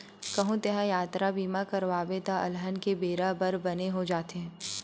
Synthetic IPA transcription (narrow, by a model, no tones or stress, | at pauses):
kɐɦũt̪eɦãjaːt̪ɾabiːmakɐɾʋaːbet̪aʔɐ̰lɦənkebeːɾabɐɾbɐneɦod͡ʒaːt̪eɦɛ̃